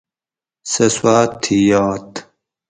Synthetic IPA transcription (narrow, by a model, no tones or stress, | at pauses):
seswaːt̪ʰːijɑːt̪